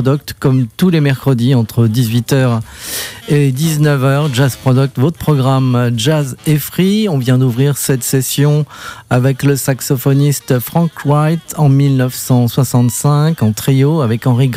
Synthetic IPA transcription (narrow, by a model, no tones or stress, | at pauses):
d̪ɔk̚t̪kːɔmt̪ulemɛʁkχəd̪iɑ̃t̪χəd̪izɥit̪œʁ | ed̪iznəvœʁʒazpχɔd̪ɔk̚t̪vot̪pχɔɡʁamʒazefχiɔ̃vjɛ̃d̪uvʁiʁsɛt̪sesjɔ̃avɛkləsaksɔfɔnist̪fχɑ̃kwajt̪ɑ̃milnəvsɑ̃swasɑ̃t̪sɛ̃kɑ̃t̪χioavɛkɑ̃ʁiɡ